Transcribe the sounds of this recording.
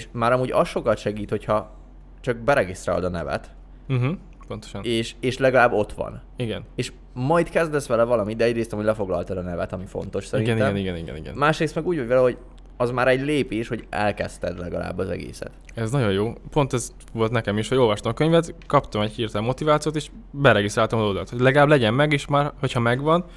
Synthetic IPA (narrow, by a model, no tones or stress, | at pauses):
ʃmaːɾɒmuːɟɒ̰sʃo̞kɒt̪ʃɛɡiːt̪ho̞chɒ | t͡ʃɒk̚bɛɾɛɡist̪ɾa̰ːld̪ɒnɛvɛ̰t̪ | m̩ɦ̩ | po̞nt̪oʃɒneːʃeːʃlɛɡɒlaːbːo̞t̪ʋɒ̰niɡɛneːʃ | mɒjt̪kɛzd̪ɛsʋɛlɛvɒlɒmit̪d̪ɛɛɟreːst̪ɒmuːɟlɛfo̞ɡlɒ̰lt̪ɒd̪ɒnɛvɛt̪ɒmifo̞̰nt̪o̞ʃsɛɾinɡɛnɛmɛniɡɛniɡɛ̰niɡɛ̰nmaːʃreːst̪mɛɡuːɟvɒɟvɛlɛɦo̞ɟ | ɒzmaːɾɛɟleːpeːʃho̞ɟɛ̰lkɛ̰st̪ɛd̪lɛɡɒla̰ːbːɒzɛ̰ɡḛːsɛ̰t̪ | ɛznɒɟo̞jjoːpo̞nt̪ɛz | volt̪nɛkɛmiʃhɒɟo̞lvʋɒʃt̪ɒmɒkøɲvɛt̪kɒpt̪ɒmɛɟhirt̪ɛlmːo̞t̪ivaːt̪sijoːt̪eːʃ | bɛɾɛɡist̪ɾaːlt̪ɒmɒzod̪ɒt̪hoɟlɛɡɒlaːblɛɟɛnmɛɡeːʃmaːrho̞chɒmɛɡvɒn